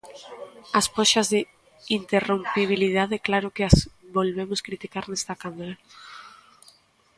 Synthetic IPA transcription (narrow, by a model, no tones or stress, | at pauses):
aspoʃɐzðɪ | int̪erompiβ̞ilið̞aðɛklaɾʊkeasβolβemʊskɾit̪ikaɾnɛst̪akamaɾa